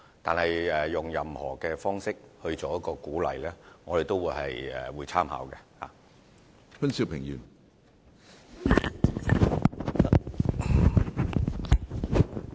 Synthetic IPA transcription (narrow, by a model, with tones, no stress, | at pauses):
t̪aː˨nhɐ˨jɛː˨ʊ˨˩ŋjɐ˨˧mhɔ̰ː˨˩kɛː˧fɔː˥ŋsɪ˥k̚hɵ˧ɥt͡sɔː˨˥jɐ˥t̚kɔː˧kuː˨˥lɐ̰˨jlɛː˥ŋɔː˨˧ɾe˨jt̪o˥wuː˨˧jhɐ˨jɛ̰˨˩wuː˨˧jt͡sʰaː˥mha̰ː˨˥wkɛ˧ha̰ː˨˩ | fɐ˥nsiː˧˩wpʰɪ˨˩ŋjy̰ː˨˩n